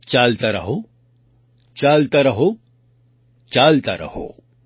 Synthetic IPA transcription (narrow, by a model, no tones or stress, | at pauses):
t͡ʃaːlt̪aɾɐ̰ɦo | t͡ʃaːlt̪aɾɐɦo | t͡ʃaːlt̪aɾʔɐ̰ho̰ː